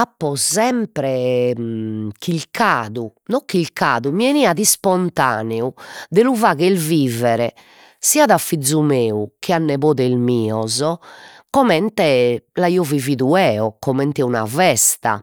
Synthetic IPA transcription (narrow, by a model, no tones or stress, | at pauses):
apːɔzɛmpɾɛ | kʰilkʰaːðunɔkːilkaːðumiɛniaðispɔnt̪a̰ːnɛud̪ɛluvaːɣɛlviːvɛɾɛ | siaðafːid̪zːumeːukianːɛβoːðɛilmiːɔzɔkɔmɛnt̪ɛlaiːɔviviːðuɛːɔkɔmɛnt̪ɛuna̰vɛst̪a̰